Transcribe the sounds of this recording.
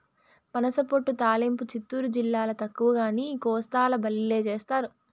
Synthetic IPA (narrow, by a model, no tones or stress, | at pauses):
pɐnɐsɐpoʈːut̪aːlimput͡ʃit̪ːuːɾud͡ʒilːaːlɐt̪ɐkːuʋɐɡaːnikɔːst̪aːlɐbɐlːile̞ːt͡ʃeːst̪aːɾu